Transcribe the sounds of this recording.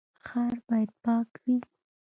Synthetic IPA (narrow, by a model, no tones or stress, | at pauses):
xaɾbɑjad̪̚pɑkwi